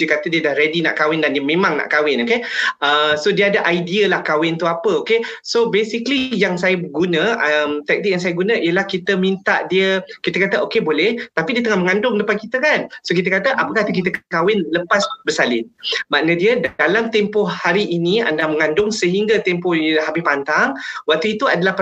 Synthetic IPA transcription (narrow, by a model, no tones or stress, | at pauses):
əkat̪ədiədahɾedina̰ʔkawɪndandiəmẽmãŋna̰ʔkawɪnokeəsodiəadaʔajdiəlahkawɪnt̪uapəokesobesiklijaŋsajəɡunə̃əmt̪ɛk̚tnɪk̚jaŋs̬ajəɡunə̃ʔijəlahkit̪əmĩnt̪aʔdiəkit̪əkat̪əʔokebolɛht̪apidiət̪̬əŋahməŋandʊŋdəpankit̪əkansokit̪̬əkat̪əʔapəkaht̪uk̬it̪̬əkkawɪnləpasbərsalɪ̰nmaʔ̚nədiədalamt̪empɔhaɾiʔːnia̰ndaməŋandʊŋsəɦiŋɡat̪ɛmpɔhilaɦabɪspant̪aŋwak̚t̪uit̪uadalahp